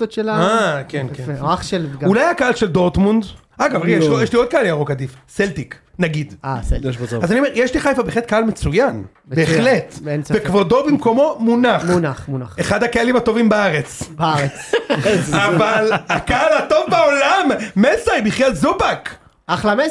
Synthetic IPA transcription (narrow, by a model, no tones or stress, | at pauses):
totʃelaakenkenaχʃelɡulajakaʔalʃeld̪oʁt̪mund̪ | aɡavʁijeʃjeʃlio̞d̪̚kaaliaʁokad̪ifseltiknaɡid̪aseljeʃbozoazaniomjeʃliχajfabeːχlet̪̚kaalmet͡sujan | bbeːχlet̪nsvekvod̪o̞bimko̞mo̞munaχunaχmunaχeχad̪hakealimhat̪o̞vimbaaʁet͡sbaaʁet͡s | avalakaalat̪o̞vbao̞lamːesaibiχlalzubak | aχlame